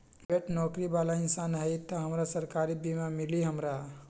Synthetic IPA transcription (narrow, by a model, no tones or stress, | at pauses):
beʈnɔːkɾibalaɪnsanɦəjt̪ɔɦəmɾasəɾkaɾibimamiliɦəmɾa